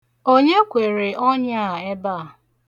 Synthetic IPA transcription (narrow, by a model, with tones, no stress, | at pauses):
o˦ɲe˦kʷe˨ɾe˨ʔɔ˦ɲ˦a˦˨e˦ba˦˨